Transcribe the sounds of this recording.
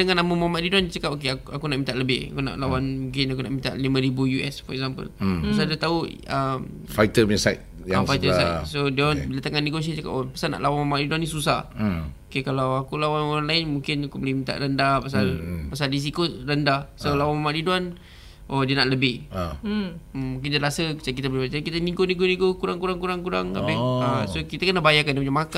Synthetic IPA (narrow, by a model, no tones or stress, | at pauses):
dəŋãnaməmamaʔdidwant͡ʃəkap̚okeakakunaʔmint̪aʔləbɪha̰kuna̰ʔlawanmũŋkɪnakuna̰ʔmint̪a̰ʔlimə̃ɾibujuʔɛsfəɾɛk̚zampə̰lpasadiət̪au | əm | fajt̪əasajt̪̚ | jaafajt̪əsajtsodbilat̪aŋanːeɡos̬iat͡ʃəka̰popəsana̰ʔlawanmamaʔdiduwanisusahokekalawakulawanoɾaŋlaɪnmũŋkɪnakubəlimit̪a̰ʔɾəndapas̬alpasalɾis̬ikoɾəndasolawamamaʔɾiduan | ʔodiənaʔləbɪh | mũŋk̬ɪndiaɾasət͡ʃak̬it̪abəlimt͡ʃakit̪anĩŋɡonĩɡonĩɡokuɾaŋkuɾaŋkuɾaŋkuɾaŋa̰bɪasokit̪akənabajakandiəpuɲamaka